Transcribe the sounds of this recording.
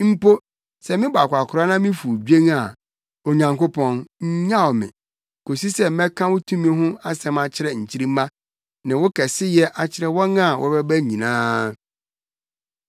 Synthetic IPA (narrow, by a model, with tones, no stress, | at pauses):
m̩˦po˦ | sɛ˨mɪ̃˦ba˨kʷa˨kʰʊ˨ɾa˦nã˦mɪ̃˦fu˨d͡ʑᶣe˦ŋa˨ | o˨ɲã˨ŋko˦pʰɔ̃˨nɲ̩˦ɲã˦ɔ˨mɪ̰̃˨ | kʰo˨si˦sɛ˦mɛ̃˦kʰã˦wʊ˦tʰũ˦mĩ˦ɦʊ̃˦a˦sɛ̃˦ma˨t͡ɕʰɪ˦ɾɛ˨ɲ̩˨t͡ɕʰi˦ɾi˦mã˦ | nɪ̃˨wʊ˦kʰɛ˨sɪ˦jɛ˦ʔa˦˨t͡ɕʰɪ˨ɾɛ˦wɔ̃˦nã˦˨wʔɔ̰˦bɛ˦bæ˦ɲĩ˨nãː˦